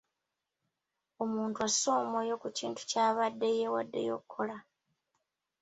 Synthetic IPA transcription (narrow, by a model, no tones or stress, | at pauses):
o̞muːntuaso̞ːmojo̞kuciːntu̥caːβadːe̞jewa̰dːe̞̰jo̞̰kʰːo̞la